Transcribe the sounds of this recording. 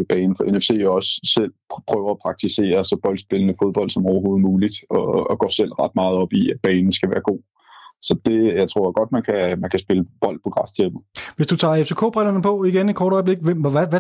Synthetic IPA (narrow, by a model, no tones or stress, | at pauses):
b̥ɛn̩fɒ̽ʔenefse̝̰ːjo̝ɒ̽ssel̰pʰʁœːʊɐæpʰʁɑ̈ɡ̥̚t͡sʰise̝̰ːɐsɒ̽b̥ɒ̽ld̥sb̥e̝lənəfo̝ðˠb̥ɒ̽ld̥sɒ̽mɒʊɐɦo̝ːð̞̩ˠmuːlid̥ɒ̽ɒɡ̥ɶ̰ːsel̰ʁɑ̈d̥mɑ̈ːð̞̩ˠɒ̽b̥iæd̥̚b̥ɛːnn̩sɡ̥æʋæːɐɡ̥o̝̰ː | sɒ̽d̥e̝jɑ̈ɪt͡sʰʁo̝ɐ̰æɡ̥ɒ̽d̥mænkʰæmænkʰæsb̥e̝ləb̥ɒ̽l̰d̥̚pʰɒ̽ɡ̥ʁɑ̈st͡sʰeb̩ˠʋe̝sd̥ut͡sʰɑ̰̈ːeft͡sʰe̝ːkʰo̰ːb̥ʁɛlɐnəpʰɒ̽iɡ̥eni̥kʰɒːɾ̥ɒ̽ɪb̥le̝ɡ̥̚ʋem̰æʋ